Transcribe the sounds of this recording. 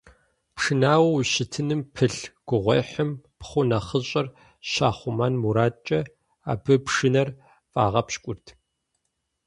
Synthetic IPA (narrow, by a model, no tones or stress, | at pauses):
pʂɨnaːwɐwɕɪtʰɨnɨmpʰɨɬɡ̥ʷʊʁʷḛːħəmpχʷʊnɐχəɕʼɐr | ɕaːχʷʊmɐnmuɾaːt͡ʃʼɐ | a̰ːbɨpʂɨnɐr | fʼa̰ːʁɐpɕkʷʼʊrtʰ